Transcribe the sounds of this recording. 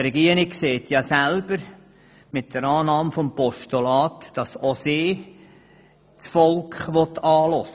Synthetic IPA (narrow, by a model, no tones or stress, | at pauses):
ɾɛɡiːəɾɪkseːt̪ʰjɑsælb̥əɾ | mɪtd̥əɾɑːnɑːmfompɔʃtolɑːtd̥ɑsosɪː | t͡sfɔlkχʋɔtʰɑːlɔsə